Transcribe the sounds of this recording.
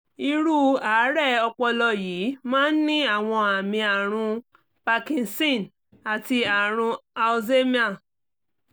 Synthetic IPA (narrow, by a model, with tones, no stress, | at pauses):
i˧ɾu˦˨aː˨˦ɾɛ˦˨ɔ˧k͡pɔ˧lɔ˧jiː˨˦mãː˦n̩˦nĩ˦a˦˨w̃ɔ̃˧a˨mĩ˧a˨ɾ̃ũ˧ | pa˧kĩ˧nsĩ˦˨n | a˨ti˧a˨ɾ̃ũ˧a˧ze˦mĩ˦a˦˨